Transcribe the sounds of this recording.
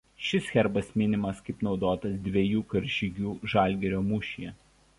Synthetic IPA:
ʃʲɪsxʲɛɾbɐsmʲɪnʲɪmɐskɐɪpnɒʊd̪oːt̪ɐsd̪ʲʋʲɛjuːkɐɾʲʒʲɪɡʲuːʒɑˑlʲɡʲɛɾʲoːmʊʃʲijɛ

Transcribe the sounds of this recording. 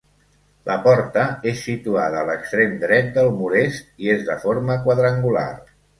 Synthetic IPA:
lʔəpɔɾt̪əesːit̪uað̞əːləkst̪ɾemd̪ɾɛt̪̚d̪əlˠmuɾest̪iezðəfoɾməkwəðɾəŋɡula̰r

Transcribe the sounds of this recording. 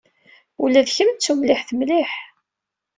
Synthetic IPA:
ulæðçəmt͡sːumlɪħθmliħ

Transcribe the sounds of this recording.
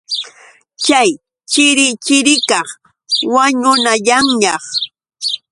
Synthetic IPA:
t͡ʃaj | t͡ʃɪɾɪt͡ʃɪɾɪka | waɲʊnaʎaŋjɑχ

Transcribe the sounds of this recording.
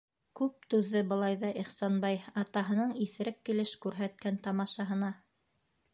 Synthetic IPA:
kʉp̚t̪ʉðːɘbɤ̆lˠɑjðɑʔiχsɑnbɑjɑt̪ɑɦɤ̆nɤɴiθɘ̆ɾɘkːilɘʃkʉɾɦæt̪̚kænt̪ɑmɑʃɑɦɤ̆nɑ

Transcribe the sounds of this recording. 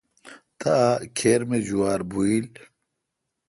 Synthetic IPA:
t̪akʰeːɾmed͡ʑuwaːɾbuil

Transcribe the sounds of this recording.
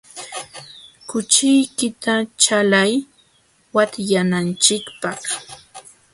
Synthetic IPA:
kʊt͡ʃɪjkɪt̪at͡ʃalaj | wat̪janant͡ʃɪkpɑχ

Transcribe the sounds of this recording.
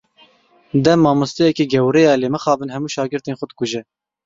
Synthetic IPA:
d̪ɛmːɑːmʊst̪ejɛkiːɡɛwɾɛjɑːleːmɨxɑːbɨnhɛmuːʃɑːɡɨɾt̪eːnxʷɔd̪̚kʊʒɛ

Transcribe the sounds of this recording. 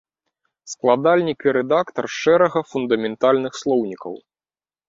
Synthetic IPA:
sklˠad̪alʲnʲikiɾɛd̪akt̪ɐrʂɛɾɐɣɐfund̪ɐmʲɛnt̪alʲnɨxslˠɔwnʲikɐ̰w

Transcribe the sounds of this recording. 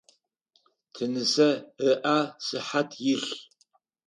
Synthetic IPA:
tʰɨnɨsɐɨʔasɨħatʰjɪɬ

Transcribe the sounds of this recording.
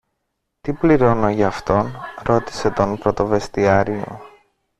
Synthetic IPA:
t̪ipliɾo̞no̞ʝɐːft̪o̞nɾo̞t̪i̥se̞t̪o̞npɾo̞t̪o̞ve̞st̪iɐɾio̞̰

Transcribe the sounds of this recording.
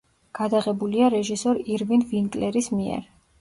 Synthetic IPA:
ɡ̥ad̪aʁɛbuliaɾɛʒisɔɾiɾvinviŋkʼlɛɾismiɛ̰ɾ

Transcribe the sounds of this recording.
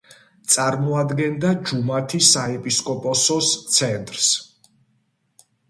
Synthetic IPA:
t̪sʼaɾmɔad̪ɡɛnd̪ad͡ʒumat̪ʰisaɛpʼiskʼɔpʼɔsɔst̪sʰɛnt̪ʼɾs

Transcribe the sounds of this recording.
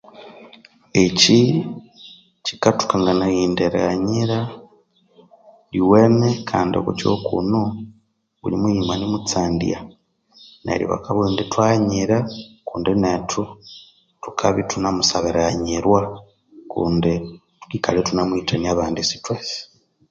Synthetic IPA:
eci | ci̥katu̥kaŋɡanajiːndeɾa̰ɲiɾa | liwenekʰaːndio̰kut͡ʃo̰kṵno | βṵlimuimanimut͡saːndḭja | na̰ɾḭβa̰kaβuindetwaːɲiɾakuːndenetʰu | tu̥kʰaβitunamusaβeɾaɲiɾwa | kṵːndi | tu̥kikaletunamwiːtaniaβaːndisi̥twesi̥

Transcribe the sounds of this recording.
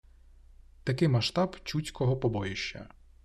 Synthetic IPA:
t̪ɐkɪmɐʃt̪ɑbt͡ʃut͡sʲkɔɦɔpɔbɔjɪʃt͡ʃɐ̰

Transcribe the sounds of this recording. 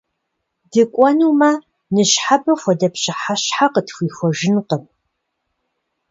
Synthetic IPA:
dɨkʷʼɔnumɐ | nɨɕħabɐxʷɔdɐpɕɪħaɕħaqətxʷiːxʷɔʒɪnqəm

